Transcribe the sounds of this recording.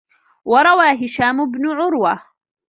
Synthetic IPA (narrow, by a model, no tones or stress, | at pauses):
wɑɾˤɑwaːɦɪʃaːmʊbnʊʕʊɾwa